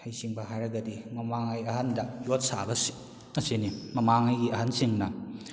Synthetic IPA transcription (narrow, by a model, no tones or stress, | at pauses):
hɐjsiŋbɐɦajɾɐɡɐdimɐmaŋajɐɦandɐjot̚sa̰bɐsi̥ | ɐsinimɐmaŋajɡiɐɦansiŋnɐ